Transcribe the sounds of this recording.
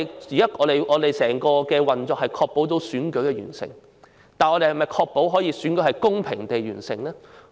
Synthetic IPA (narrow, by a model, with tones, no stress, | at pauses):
iː˨˥jɐ˥ʔɔː˨˧e˨˩jʔɔː˨˧d̪e˨jsɛː˨˩ŋkɔː˧kɛː˧wɐ˨nt͡sɔː˨k̚hɐ˨jkʰɔː˧k̚po˨˥wto˨˥wsyː˨˥nkɵ˨˥ɥkɛː˧ɥy̰ː˨˩nsɪ̰˨˩ŋ | t̪aː˨nɔ˨˧ɾe˨jhɐ˩mɐ˨jkʰɔː˧k̚po˨˥wɦɔː˨˥jiː˧˥syː˨˥nkɵ˧˥hɐ˨jkʊ˥ŋpʰɪ˨˩ŋt̪e˨jɥyː˨˩nsɪ̰˨˩ŋlɛː˥